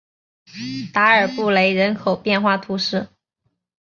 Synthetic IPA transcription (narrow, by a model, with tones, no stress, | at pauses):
t̪a˧˥ə˞˨˩pu˥˩le˧˥ɪɻə˧˥nkʰo˨˩ʊpjɛ˥˧nxwa˥˩t̪ʰu˧˥ʂɻ̩˥˩